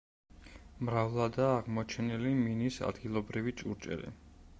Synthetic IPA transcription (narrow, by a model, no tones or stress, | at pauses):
mɾavlˠad̪aːʁmɔt͡ʃʰɛniliminisa̰d̪ɡilˠɔbɾivit͡ʃʼṵɾt͡ʃʼɛ̰ɾɛ̰